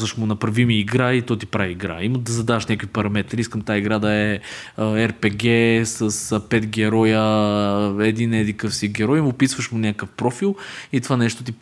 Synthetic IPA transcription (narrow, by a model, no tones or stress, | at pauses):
zɐʃmʊnɐpɾɐvimiːɡɾait̪ɔt̪ipɾaviːɡɾa̰iməd̪ɐzɐd̪avɐʃnʲakvipɐɾɐmɛt̪ɾiiskəmt̪aiɡɾad̪ɐɛ | ɛɾpɛɡɛsəsəpɛt̪ɡʲɛɾɔjə | ɛd̪inɛd̪ikɤfsiɡʲɛɾɔjimʊpisvəʃmʊnʲakəfpɾɔfilˠit̪ovanɛʃt̪ot̪ip